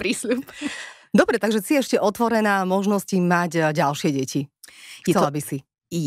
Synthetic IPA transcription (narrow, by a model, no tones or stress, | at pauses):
pɾislup | d̪ɔbɾɛt̪aɡʒɛsiɛɛʃcɛʔɔt̪ʋɔɾɛnaːmɔʒnɔscimaɟɟalʃɪɛɟɛcitɛllabisi